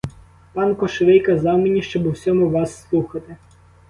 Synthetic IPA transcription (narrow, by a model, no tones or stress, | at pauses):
pɑnkɔʃʋɪjkɐzɑwmenʲiʃt͡ʃɔbɔwsʲɔmʊʋɑsːlˠuxɐt̪ɪ